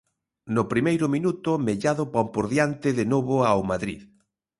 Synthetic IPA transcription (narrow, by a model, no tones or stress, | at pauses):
nʊpɾimejɾʊminut̪ʊmeʎaðʊpampoɾðjant̪ɪðenoβʊawmaðɾḭð